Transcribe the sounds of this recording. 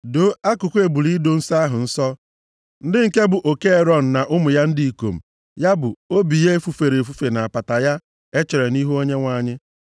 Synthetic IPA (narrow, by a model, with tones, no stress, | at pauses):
do˨˦a˦kʊ˨kʷe˨bu˨li˦do˨n̩˦sa˦ɦʊ˨n̩˦sɔ˦ | n̩˦dɪ˦ŋ̩˨ke˦bʊ˨ʔo˨ke˦e˨ɾɔ˦n̩˨na˨ʔʊ˦mʊ˨ja˦n̩˦di˦i˨ko˨m̩˨ | ja˦bʊ˨o˦bi˨je˦e˦fu˨fe˨ɾe˨f̬u˦fe˨na˨a˨pa˨ta˨ja˦ | e˦t͡ʃe˨ɾe˨ni˦ɦu˦o˦ɲe˦ŋʷa˨˦˨ɲɪ˦